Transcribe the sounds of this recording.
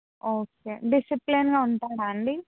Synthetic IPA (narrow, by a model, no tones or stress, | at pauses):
oːkeːɖisiplinɡaːuɳʈaːɽaːɳɖi